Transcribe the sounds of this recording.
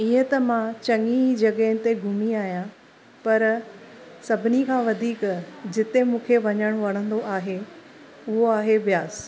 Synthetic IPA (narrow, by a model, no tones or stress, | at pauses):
iːə̃t̪ɐmãt͡ɕɐŋid͡ʑɐɠɛɦɪnɪ̆t̪eɡʱʊmiaːɦijã | pɐɾ | sɐbʱɪnikʰãːʋɐd̪ʱiːkd͡ʑɪt̪emũːkʰeʋɐɲəɽ̃oʋɐɽ̃ə̃nd̪oʔaːɦe | ʊɦoaːɦeʋjaːs